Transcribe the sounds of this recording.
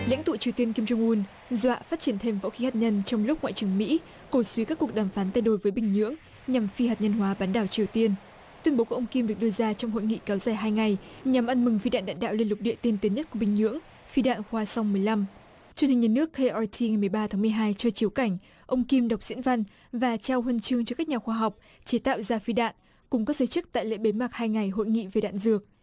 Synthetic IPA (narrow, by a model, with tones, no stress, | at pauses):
la̰˧˥ŋ̟t̪ṵ˧˨t͡ɕi˨˩əwt̪i˧ənki˧mt͡ɕʊ˧wŋ͡mʔu˧n | zwa̰ː˧˨faː˦˥t̚t͡ɕi˧˩ənt̪ʰe˧mvo̰˧˥xi˨˦haː˨˩t̚ɲə˧nt͡ɕɔ˧wŋ͡mlʊ˦˥k͡p̚ŋwa̰ː˧˨t͡ɕɨ˨˩əŋmḭ˧˥ | ko˧˩swi˨˦kaː˦˥kːək̚ɗaː˨˩mfaː˨˦nt̪a˧jɗo˨˩jvəː˨˦jɓï˨˩ŋ̟ɲɨ̰˧˥əŋ | ɲa˨˩mfi˧haː˨˩t̚ɲə˧nɦwaː˨˦ɓaː˨˦nɗaː˧˩wt͡ɕi˨˩əwt̪i˧ən | t̪wi˧ənɓo˨˦ku˧˩ʔə˧wŋ͡mki˧mɗɨ˨˩k̚ɗɨ˧əzaː˧t͡ɕɔ˧wŋ͡mɦo̰˧˨jŋḭ˧˨kaː˨˦wzaː˨˩jɦaː˧jŋa˨˩jɲa˨˩mʔa˧nmɨ˨˩ŋfi˧ɗa̰ː˧˨nɗa̰ː˧˨nɗa̰ː˧˨wli˧ənlʊ˨˩k͡p̚ɗḭ˧˨ət̪i˧nt̪i˨˦nɲə˦˥t̚ku˧˩ɓï˨˩ŋ̟ɲɨ̰˧˥əŋ | fi˧ɗa̰ː˧˨nxwaː˧swŋ͡mmɨ˨˩əjla˧m | t͡ɕwɨ˧əni˨˩ŋ̟ɲaː˨˩nɨ˦˥əkxe˧ʔɔ˧t̪ʰi˧ŋa˨˩jmɨ˨˩əjɓaː˧t̪ʰaː˨˦mɨ˨˩əjɦaː˧jt͡ɕɔ˧t͡ɕi˨˦əwka˧˩jŋ̟ | ʔə˧wŋ͡mki˧mɗa˨˩wk͡p̚z̥ḭ˧˥nva˧n | vaː˨˩t͡ɕaː˧whə˧nt͡ɕɨ˧əŋt͡ɕɔ˧kaː˦˥k̚ɲaː˨˩xwaː˧ɦa˨˩wk͡p̚ | t͡ɕe˨˦t̪a̰ː˧˨wzaː˧fi˧ɗa̰ː˧˨n | kʊ˨˩ŋ͡mkɔ˨˦˥k̚zəː˨˩˦jt͡ɕɨ˦˥k̚t̪a̰ː˧˨jlḛ˧˥ɓe˨˦maː˨˩k̚haː˧jŋa˨˩jɦo̰˧˨jŋḭ˧˨ve˨˩ɗa̰ː˧˨nzɨ˨˩ək̚